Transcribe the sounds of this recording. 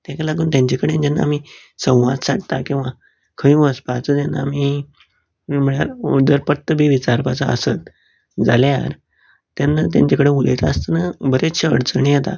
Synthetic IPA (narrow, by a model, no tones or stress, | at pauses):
t̪ãkalaɡuːnt̪jãɲt͡ɕekəɽend͡ʑanːa̰m̤iː | sə̃w̃ʋad̪saʈt̪akĩw̃ʋa | kʰəjũəspat͡sət̪janːa̰ːmi | m̤əɳ̃a̰ɾṵd̪əɾpət̪ːəbʱiːʋit͡ɕaɾpat͡səə̰sət̪ | d͡zalja̰ɾ | t̪anːat̪̬jã̰ɲt͡ɕekəɽemulet̪ast̪ənabəɾeɕə̰ɽt͡səɳ̃ijet̪a̰